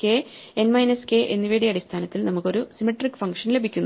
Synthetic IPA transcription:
ke̞enmɐjnɐske̞ːʔe̞nːiʋeːɽijɐɽist̪ʰaːnɐt̪ːilnɐmukːo̞ɾusimeʈːrikːɨ̥fɐŋkʂɐnle̞bʱikʲːunː

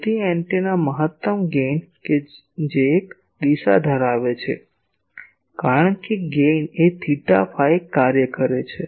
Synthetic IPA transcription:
t̪iɛɳʈenaməɦət̪ːəmɡenke | d͡ʒeːk | d̪isa̰d̪ʱəɾaʋet͡ʃʰḛ | kaɾəɳənkeɡenet̪ʰiʈa̰fʰaekːaɾjəkəɾet͡ʃʰe

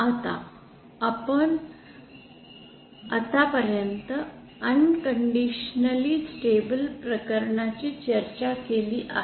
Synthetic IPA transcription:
at̪a̰ː | pəɳ | at̪apəɾjənt̪ə | ənkəɳɖiɕnəliːsʈebəlpɾəkəɾɳat͡ɕiːt͡ɕəɾt͡ɕakeliːʔa̰

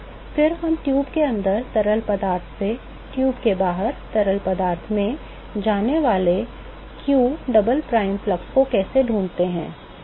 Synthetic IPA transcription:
fɪɾɦɐmʈjuːbkeɐ̃nd̪əɾt̪ɐɾəlpɐd̪aːɾt̪ʰse | ʈjuːbkebaːɦəɾt̪ɐɾəlpɐd̪aːɾt̪ʰmẽ | d͡ʒaːneʋaːle | kjuːɖɐbəlpɾaːɪmflɐkskokɛːseɖʱũːnt̪eɦɛ̰̃ː

